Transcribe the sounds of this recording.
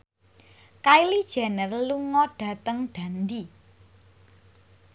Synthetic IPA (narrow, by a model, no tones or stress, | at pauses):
kailid̥ʒ̥ɛ̤nərluŋɔɖ̥ä̤t̪əŋɖ̪̥ä̤nd̪i